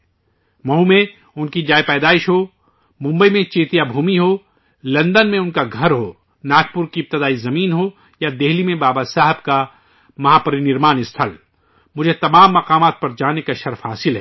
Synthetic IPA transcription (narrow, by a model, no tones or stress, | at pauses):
mɐɦũmẽ | ʊnkid͡ʒaːepɛːd̪aːɪʃɦoː | mʊ̃mbəimẽt͡ʃeːt̪ijabʱuːmiɦoː | lɐ̃nd̪ənmẽʊnkaɡʱɐɾɦoː | naːk̚pʊɾkiɪp̚t̪ɪd̪aːizɐmiːnɦoː | jad̪eɦlimẽbaːbasaːɦɪbka | mɐɦaːpɐɾinɪɾmaːnɪst̪ʰəl | mʊd͡ʒʱet̪ɐmaːmːɐqaːmaːt̪̚pɐɾd͡ʒaːnekaʃɐɾfɦaːsɪlɦɛː